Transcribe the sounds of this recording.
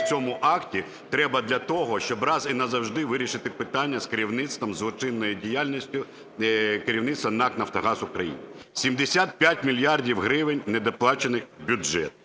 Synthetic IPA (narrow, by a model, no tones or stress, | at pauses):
t͡sʲɔmʊʔɑktʲi | t̪ɾɛbɐd̪lʲɐt̪ɔɦɔʃt͡ʃɔbrɑzinɐzɐwʒd̪ɪʋɪɾʲiʃɪt̪ɪpɪt̪ɑnʲːɐskeɾʲiwnɪt̪st̪ʋɐmzlˠɔt͡ʃɪnːɔjidʲijalʲnʲisʲtʲʊ | keɾʲiwnɪt̪st̪ʋɐnɑknɐft̪ɔɦɑzʊkɾɐjḭnɪsʲimd̪esʲat̪̚pʲjatʲmʲilʲjardʲiwɦɾɪʋɪnʲned̪ɐplˠɑt͡ʃenɪxbʲʊd͡ʒɛ̰t̪